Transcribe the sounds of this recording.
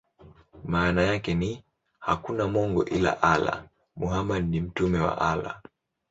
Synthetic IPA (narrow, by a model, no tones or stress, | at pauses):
maːnajakɛni | hakunamɔŋɡɔʔila̰ʔala̰ | muɦamadnim̩tumɛwa̰ʔala̰